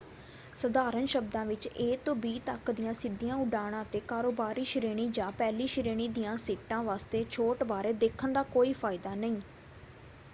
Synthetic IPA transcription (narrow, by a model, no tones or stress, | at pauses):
səd̪aːɾənʃəb̚d̪ãːʋɪt͡ʃeːt̪õːbiːt̪əkd̪ɪjãːsɪd̪ːɪjãːʊɖaːɽ̃ãːt̪eːkaːɾoːbaːɾiːʃəɾeːɽ̃iːd͡ʒãːpɛːliːʃəɾeːɽ̃iːd̪ijãːsiːʈãːʋaːst̪eːt͡ʃʰoːʈbaːɾeːd̪eːkʰənd̪aːkoːiːpʰaːɪd̪aːnəĩː